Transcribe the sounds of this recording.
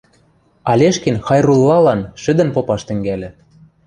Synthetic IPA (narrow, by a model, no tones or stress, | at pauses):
ɑlʲeʃkenxɑjrulˠːɑlɑnʃɘ̆d̪ɘ̆npopɑʃt̪ɘ̆ŋɡælʲɘ̆